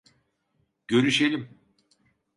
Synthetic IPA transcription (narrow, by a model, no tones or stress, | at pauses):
ɟ̥ø̞ɾyʃelʲim